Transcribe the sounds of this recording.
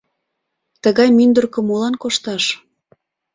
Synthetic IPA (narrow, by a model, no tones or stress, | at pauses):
t̪əɣɑjmynd̪ərkə̆molɑnkoʃt̪ɑʃ